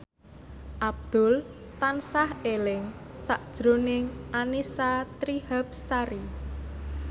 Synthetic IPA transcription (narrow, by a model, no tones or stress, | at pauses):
ʔab̚d̪̥ʊl | t̪ansahelɪŋ | saʔd̥ʒ̥ɾo̤nɪŋʔanisat̪ɾihap̚saɾi